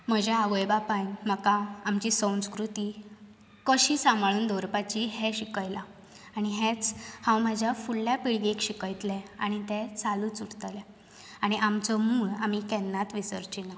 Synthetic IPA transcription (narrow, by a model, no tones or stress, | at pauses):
m̤əd͡ʑeaʋəjbapajm̤əkaamt͡ɕiːsə̃w̃nskɾut̪iː | kəɕiːsãmbʱaɭuːnd̪oɾpat͡ɕiɦeɕikəjla | aɽ̃iɦẽt͡shãwmad͡ʑʱjafuɭːjapiɭɡekɕikəjt̪lɛ̃a̰ɽ̃it̪ɛt͡saluːt͡suɽt̪lɛ | aɽ̃iʔamt͡sɔmuːɭam̤ikɛnːat̪ʋisəɾt͡ɕina